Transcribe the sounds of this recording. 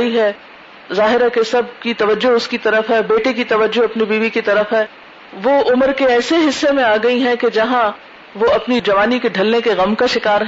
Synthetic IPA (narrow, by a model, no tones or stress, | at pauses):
iɦɛː | zaːɦɪɾakesɐb̚kit̪ɐʋəd͡ʒːoʊskit̪ɐɾəfɦɛːbeːʈekit̪ɐʋəd͡ʒːoɐpnibiːʋikit̪ɐɾəfɦɛː | ʋoʔʊməɾkeɛːseɦɪsːemẽaːɡɐiɦɛ̃ked͡ʒɐɦã | ʋoɐpnid͡ʒɐʋaːnikeɖʱɐlnekeɣɐmkaʃɪkaːɾɦ